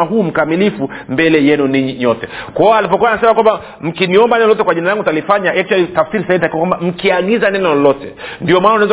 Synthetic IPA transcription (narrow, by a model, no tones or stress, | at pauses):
aɦuːm̩kamilifumbɛlɛjɛnuniɲiɲɔtɛkwaɔalipɔkuwanasɛmakwamba | m̩kiniɔmbanɛnɔlɔtɛkwaʄinalaŋɡutalifaɲaʔɛk̚twalitafsiɾisaintakiwakwambam̩kiaɠizanɛnɔlɔlɔtɛ̰ndiɔmanaunaza